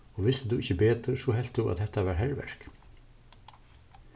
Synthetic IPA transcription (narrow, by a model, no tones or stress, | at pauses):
ɔʋɪst̪ɪt̪uɪçːəbeːt̪əɾsɔɦɛl̥t̪uʔa̰t̪hɛht̪aʋaɾɦɛɹʋɛ̰ɹ̥k